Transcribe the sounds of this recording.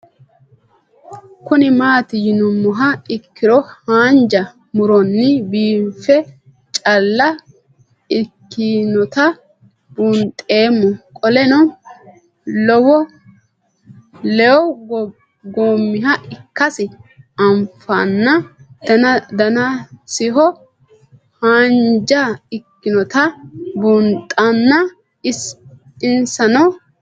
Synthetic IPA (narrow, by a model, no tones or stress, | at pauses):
kʊnɪmaːt̪ɪjɪnʊmːʊɦɐɪkːɪɾɔhaːnd͡ʒɐ | mʊɾɔnːɪbiːfɛ | t͡ʃʼɐlːɐ | ɪkːinɔt̪ɐ | b̥ʊnt̪ʼe̞ːmːɔkʼɔlɛnɔ | lɔwɔ | lɛɔw | ɡoːmːɪɦɐɪkːɐsɪɐmfaːnːɐ | d̪ɐnɐsɪɦɔ | haːnd͡ʒaɪkːɪnɔt̪ɐbuːnt̪ʼːɐnːɐ | ɪs | ɪnsɐnɐw